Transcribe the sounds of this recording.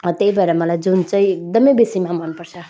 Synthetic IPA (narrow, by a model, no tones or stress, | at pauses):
ʌt̪eɦibaeɾamʌlajd͡zunt͡sʌĩek̚d̪ʌmʌjbesimamʌnpʌrt͡sʰʌ